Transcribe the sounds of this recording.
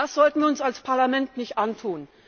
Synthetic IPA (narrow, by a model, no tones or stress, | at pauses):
asz̥ɔltn̩viːɐʊnsalspʰaɐlamɛntnɪçtʔantʰuːn